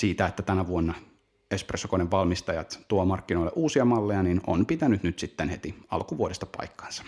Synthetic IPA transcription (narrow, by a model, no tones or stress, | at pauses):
siːt̪æet̪ːæt̪ænæʋuonːɑ | espresːokoneʋʋɑlmist̪ɑjɑt̪t̪uomɑrkːinoileʔuːsiɑmɑlːejɑnino̰npit̪ænyt̪nyt̪sit̪ːenhet̪iɑ̰lkuʋuodest̪ɑ̥pɑ̰ikːɑ̥ˑnsɑ̥